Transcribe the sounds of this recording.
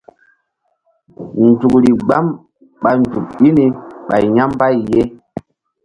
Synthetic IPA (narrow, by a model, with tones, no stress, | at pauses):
n˨tu˨kɾi˨ɡ͡ba˦m | ɓa˨n̩˨d͡ʒu˨k̚ɓi˦ni˨ɓa̰˨i˨ɲa˦mba˦i˨je˦